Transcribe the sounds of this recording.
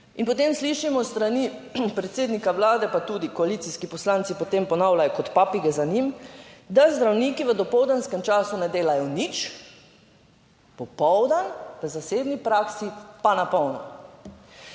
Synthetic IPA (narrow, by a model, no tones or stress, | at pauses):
inpɔt̪eːmsliʃimɔst̪ɾanipɾɛt̪seːd̪nikaʋlaːd̪ɛpat̪uːd̪ikɔalit̪siskipɔslant̪sipɔt̪empɔnaːwlajɔkɔt̪paːpiɡɛzanimd̪azd̪ɾawniːkiʋəd̪ɔpɔwd̪anskɛmt͡ʃaːsunɛd̪eːlajɔnit͡ʃ | pɔpɔwd̪anʋəzaseːbnipɾaːksipanapɔwnɔ̰